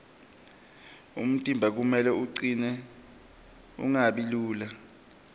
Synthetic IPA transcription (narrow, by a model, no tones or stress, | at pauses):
ṵm̩tʼimbʱak̬umɛlɛuǀinɛ | ṵŋaɓiluːla